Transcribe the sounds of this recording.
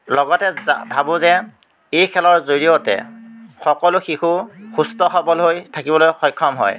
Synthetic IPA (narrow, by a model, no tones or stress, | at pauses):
lɔɡɔtɛbʱabʊzɛ | ejkʰɛlɔɹzoɹijotɛ̰xɔkɔlʊxixʊxustɔxɔbɔlɦojtʰakibɔlojxɔjkʰːɔmɦɔ̰j